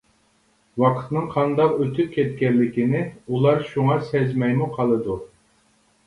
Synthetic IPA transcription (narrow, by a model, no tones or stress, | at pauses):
wɑqʰə̥t̪nɨŋqʰɑnd̪ɑqøt̪ʰyp̚kʲʰɛt̪̚kʲɛnlːɪkʲinɪulˠɑɾʃuŋɑsɛzmɛjmuqʰɑlˠɨd̪u